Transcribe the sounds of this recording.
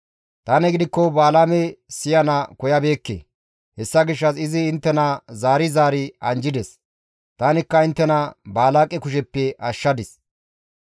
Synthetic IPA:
t̪aːnɛɡɪd̪ɪkːɔbaːlaːmɛsɪjɐnɐkɔjɐbe̞ːkːḛ | hɛsːɐɡɪʃːɐsɪzɪːnt̪ːɛnɐzaːɾɪzaːɾɪɐnd͡ʒɪd̪ɛs | t̪aːnɪkːɐɪnt̪ːɛnɐbaːlaːkʼːɛkʊʃɛpːɛʔɐʃːɐd̪ɪs

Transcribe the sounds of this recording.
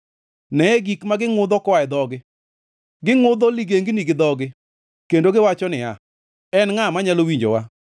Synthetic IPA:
nɛɛɡikmaɡɪŋʊd̪ɔkwaɛd̪ɔɡɪ | ɡɪŋʊd̪ɔliɡeŋɡiniɡɪd̪ɔɡɪ | kendoɡɪwat͡ʃɔnɪa̰ | ɛnŋamaɲalowiɲd͡ʒo̰wa

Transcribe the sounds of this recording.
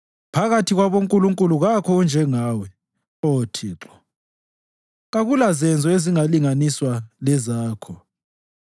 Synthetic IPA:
pʰaɣatʰiɣwaβoŋkʼuluŋkʼuluɣakʰɔund͡ʒʱɛŋaːwɛ | otʰiːǁɔ | ɣaɣulazɛnd͡zʱɔeziŋaliŋaniswalɛzaːkʰɔ

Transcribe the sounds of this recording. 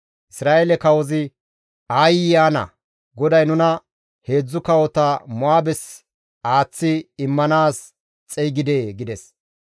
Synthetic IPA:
ʔɪsɾaːʔelɛkɐwɔzɪ | aːjɪjaːnɐ̰ | ɡɔd̪ɐjnʊnɐ | he̞ːd͡zːʊkɐwɔt̪ɐmɔaːbɛs | aːt͡sːɪːmːɐnaːs | t͡sʼɛjɡɪd̪eːɡɪd̪ɛs

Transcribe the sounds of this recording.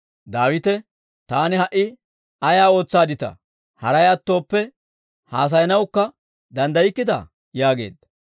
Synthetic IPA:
d̪aːwɪt̪ɛ | t̪aːnɪhɐʔːɪ | ɐjaːo̞ːt͡sːaːd̪ɪt̪ɐ̰ | hɐɾɐjɐt̪ːo̞ːpːɛ | haːs̬ɐjɐnɐwkːɐ | d̪ɐnd̪ɐjɪkːɪd̪ɐ̰ | jaːɡe̞̰ːd̪ːɐ̥

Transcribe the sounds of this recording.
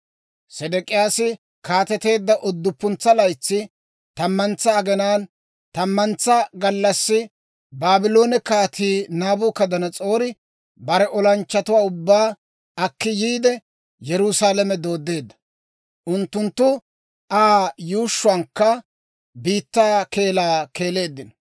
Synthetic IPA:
sɛd̪ɛkʼɪjaːsɪ | kaːt̪ɛt̪e̞ːd̪ːɐʔɔd̪ːʊpːʊnt͡sːɐlɐjt͡sːɪ | t̪ɐmːɐnt͡sːɐːɡɛnaːn | t̪ɐmːɐnt͡sːɐɡɐlːɐsːɪ | baːbɪlo̞ːnɛkaːt̪ʰiːnaːbʊːkɐd̪ɐnɐt͡sʼo̞ːɾɪ | bɐɾɛʔɔlɐnt͡ʃːɐt̪ʊwaːʊbːaː | ɐkːɪjiːd̪ɛ | jɛɾʊsaːlɐmɛd̪o̞ːd̪ːe̞ːd̪ːɐ̥ | ʔʊnt̪ːʊnt̪ːʊ | ʔaːjuːʃːʊɐŋkːɐ | biːt̪ːaːke̞ːlaːke̞ːle̞ːd̪ːɪnɔ

